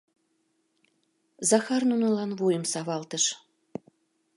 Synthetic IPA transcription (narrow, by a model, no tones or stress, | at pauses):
zɑxɑrnunolɑnβujəmsɑβɑlt̪əʃ